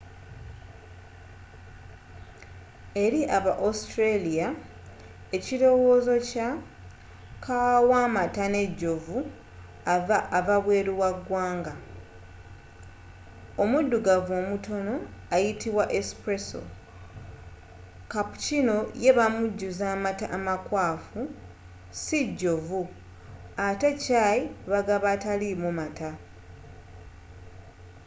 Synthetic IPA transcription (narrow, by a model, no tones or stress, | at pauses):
e̞ɾiʔaβaʔostɾelija | e̞ciɾo̞wo̞ːzo̞ca | kʰawaːmatane̞ɟːo̞vu | avaːβaβwe̞ːɾiwaɡwaːŋɡa | o̞mudːuɡavo̞ːmuto̞no̞ajitiβwaʔespɾeso̰ | kapu̥cino̞je̞βamuɟːuzaːmataʔːmakwaːfu | siɟːo̞vu | atecajiβaɡaβatalimumata